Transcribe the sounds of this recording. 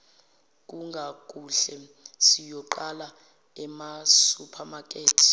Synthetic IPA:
k̬ʼuŋɡʱak̬ʼuɬɛ | sijɔǃala | ɛmasupʰamak̬ʼeːtʰi̥

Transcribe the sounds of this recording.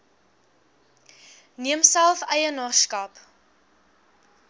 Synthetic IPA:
niəmsælˠfɛjənɑːskɐp

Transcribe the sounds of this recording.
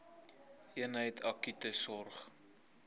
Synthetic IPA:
iənɦəjtʰɐkytəsɔrχ

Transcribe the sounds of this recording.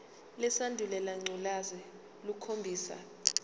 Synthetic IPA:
lɛsandʱulɛlaŋ͡ǀʱulazɛ | lukʰombʱiːsa̰

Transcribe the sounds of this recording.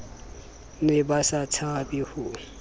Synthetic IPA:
nɪbasat͡sʰabɪhʊ

